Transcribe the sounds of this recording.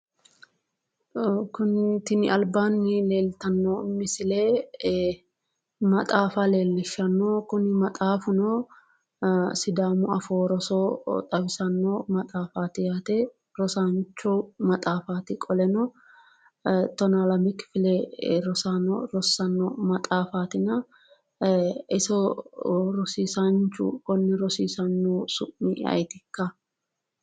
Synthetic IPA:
kʊnt̪ɪnɪʔɐlbaːnːɪle̞ːlt̪ɐnːoːmɪsɪleː | mɐt̪ʼaːfaːle̞ːlːɪʃːɐnːoːkʊnɪmɐt̪ʼaːfʊnoː | sɪd̪aːmʊɐfoːɾɔsoːt̪ʼɐbɪsɐnːoːmɐt̪ʼaːfaːt̪ɪjaːt̪e | ɾɔsaːnt͡ʃːumɐt̪ʼaːfaːt̪ɪkʼɔlɛnɔ | t̪ɔnalɐmɪkfɪlɛɾɔsano̰ɾɔsːɐnːoːmɐt̪ʼaːfaːt̪ɪnɐ | ʔɪsɔ | ɾɔsiːsant͡ʃʊ̰kɔnːɪɾɔsiːsɐnːoːsʊʔːɪ̰ɐ̰jt̪ɪkːɐ

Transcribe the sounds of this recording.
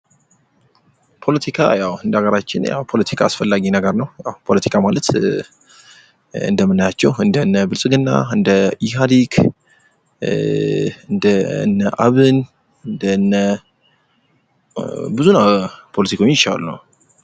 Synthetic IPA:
pʰo̞lət̪ʰikʰa̰jawɨnd̪əaɡəɾat͡ʃːɪnja̰wpʰo̞lət̪ʰi̥kʰaasfəlːaɡinəɡəɾnəwja̰wpʰolət̪ʰi̥kʰamalət̪ | ɨ̰nd̪əmːɨnːajat͡ʃːɛwɨnd̪ənːəbɨlsʼɨɡɨnːa̰ɨnd̪əiɦad̪ikʰ | ɨnd̪əɨnːəʔaβɨn | ɨnd̪ənːə | bɨzunəwpʰolət̪ikʰaoɲjɪt͡ʃːa̰lunə̰w

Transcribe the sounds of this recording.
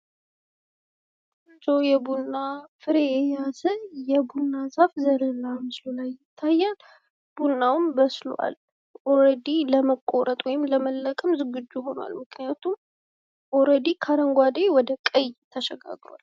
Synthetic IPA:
ɨd͡ʒowjɛbunːafɨɾeɛjasəjɛbunːazafzəɾəlamɨslulajːɪt̪ʰːajːan | b̥unːawnbəslua̰l | ʔoɾəd̪iləməkʼːoɾət̪ʼwɔjɪmləməlːəkʼəmzɨɡɨd͡ʒːujɦo̞nwa̰lmɨknijat̪ʰum | ʔɔɾəd̪ikʰaɾəŋɡʷad̪ejwɔd̪əkʼəjt̪ʰːəʃɛɡa̰ɡɾoa̰l

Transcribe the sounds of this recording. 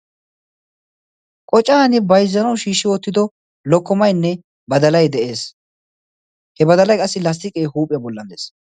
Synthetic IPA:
kʼɔt͡ʃʼːaːnɪbɐjzːɐnɐwʃiːʃːɪwɔt̪ːɪd̪ɔ | lɔkːɔmɐjnːɛ | bɐd̪ɐlɐjd̪ɛʔe̞ːs | hɛbɐd̪ɐlɐjkʼɐsːɪlɐs̬t̪ɪkʼejhuːpʼɪjɐbɔlːɐnd̪eːs

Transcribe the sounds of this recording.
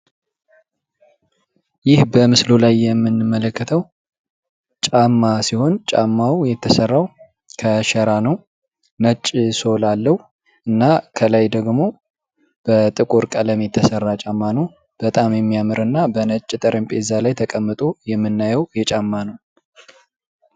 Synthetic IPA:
jɪhbəmɨslolajːɛmːɨnːɨmːələkːət̪ʰəw | t͡ʃʼamːasiho̞nt͡ʃʼa̰mːawjɛt̪ʰːəsərːaw | kʰəʃɛɾanəw | nət͡ʃʼːso̞lalːəw | ʔɨnːakʰəlajd̪əɡmo̞ | b̥ət̪ʼɨkʼuɾkʼələmjɛt̪ʰːəsərːat͡ʃʼamːanəw | b̥ət̪ʼamjɛmːijamɨɾɨnːabənət͡ʃʼːt̪ʼəɾəmpʼezalajt̪ʰəkʼəmːɨt̪ʼojɛmːɨnːajɛwjɛt͡ʃʼamːanəw

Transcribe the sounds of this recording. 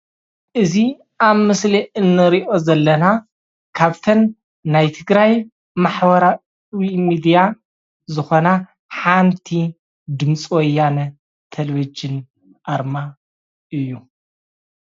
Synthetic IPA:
ʔɨzi | ʔaβmɨsliʔɨnːɨɾiʔo̞zɐlːɐna | kʰaβt̪ʰɐnː | ajt̪ʰɨɡɾaj | maħbɐɾa | wimid̪ija | zɨxo̞na | ħant̪ʰi | d̪ɨmt͡sʼwɔjːanɐ | t̪ʰɐleβid͡ʒɨn | ʔaɾma | ʔɨjːu

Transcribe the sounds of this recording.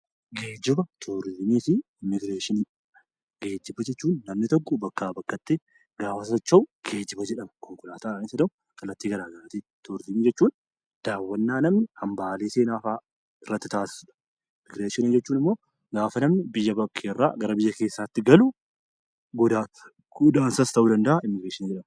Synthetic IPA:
ɡeːd͡ʒɪbɐt̪ʰoːɾɪzɪmiːfɪ | mɪɡɾeːʃɪni | ɡe̞ːd͡ʒɪbɐd͡ʒɛt͡ʃːuːnːɐmnɪt̪ɔkːɔbɐkːaːbɐkːɐt̪ːe | ɡ̥aːfɐsɐt͡ʃːɐʊɡ̥e̞ːd͡ʒɪbɐd͡ʒɛᶑɐmɐkɔŋkɔlaːt̪aːanɪsɐd̪ɐʊ | kɐlːɐt̪ːiːɡɐɾaːɡɐɾat̪iːt̪ʰoːɾɪzɪmiːd͡ʒɛt͡ʃːuːn | d̪̥aːwːɐnːaːnɐmnɪhɐmbaːleːseːnaːfaː | ɪrːɐt̪ːɪt̪aːsɪ̥suᶑɐ̥ | ɪmːɪɡɾeːʃɪnɪd͡ʒɛt͡ʃːuːnɪmːoː | ɡaːfɐnɐmnɪbɪjːɐbɐkʰːeːrːa̰ːɡɐɾɐbɪjːɐke̞ːsːaːt̪ːɪɡɐlu | ɡɔd̪aː | ʊd̪aːnsɐst̪ɐʔuːd̪ɐnd̪ɐʔaɪmːɪɡɾeːʃɪnɪd͡ʒɛᶑɐm

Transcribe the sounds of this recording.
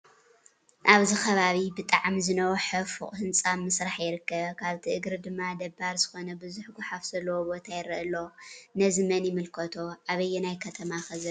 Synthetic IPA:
ʔaβzixʰɐβaβibɨt̪ʼaʕmzɨnɐwoħɐfṵχʼhɨnt͡sʼamɨsɾaħjɪɾɨkːɐβkʰaβt̪ʰiʔɨɡɾɨd̪ɨmːad̪ɐbːaɾzɨxo̞nɐbɨzuħɡuħafz̥ɐlːɐwobo̞t̪ʰajɪɾɐʔɨlːo̞nɐzɨmɐnjɪmɨlkʰɐt̪ʰo̞ʔaβɐjːɛnajkʰɐt̪ʰɐmaxɐzɨ

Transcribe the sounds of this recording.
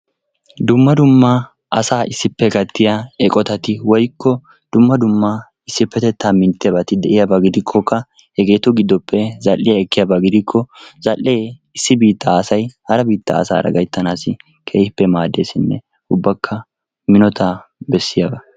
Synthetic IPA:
d̪ʊmːɐd̪ʊmːɐ | ɐsaːʔɪsːɪpːɛkɐt̪ːɪjaɛkʼɔt̪ɐt̪ɪwɔjkːɔ | d̪̥ʊmːɐd̪ʊmːa | ɪsːɪpːɛt̪ɛt̪ːaːmɪnt̪ːɪjɐbɐt̪ɪd̪ɛʔɪjɐbɐɡɪd̪ɪkʰːɔkːɐ | hɛɡe̞ːt̪ʊɡɪd̪ːɔpːɛzɐlːɪjɐɛkːɪjabɐɡɪd̪ɪkʰːɔzɐlːeːɪsːɪbiːt̪ːɐːsɐjhɐɾɐbiːt̪ːɐ̰ːsa̰ːɾɐ̰ɡɐjt̪ːɐnaːsɪ | kʰeːhɪpːɛmaːd̪eːsɪnːɛ̰ | ʊbːɐkʰːɐ | mɪnɔt̪ʰabɛsːɪjaːbɐ

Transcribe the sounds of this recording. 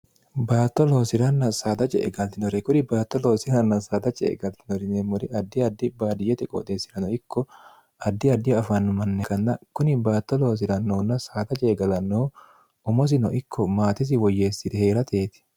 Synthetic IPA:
baːt̪ːɔlo̞ːsɪɾɐnːɐsaːd̪ɐt͡ʃʼɛ̰ʔɛ̰ɡɐlt̪ɪnɔɾɛkʊnɪbaːt̪ːɔlo̞ːsɪɾɐnːɐsaːd̪ɐt͡ʃʼɛ̰ːɡɐlt̪ɪnɔɾɪnemɔɾɪɐd̪ːɪɐd̪ːɪbaːd̪ɪjɛt̪ɛkʼɔ̰t̪ʼeːsːɪɾɐnɔɪkʰːɔ | ɐd̪ːɪɐd̪ːɪɐfɐnːʊmɐnːɛkɐnːɐkʊnɪbaːt̪ːɔlo̞ːs̬ɪɾɐnːoːnːɐsaːd̪ɐt͡ʃʼɛːɡɐlɐnːoː | ʊmɔs̬ɪnɔʔɪkʰːɔmaːt̪ɪs̬ɪwɔjːeːsːɪd̪ɛheːɾɐt̪ʰeːt̪ɪ̥

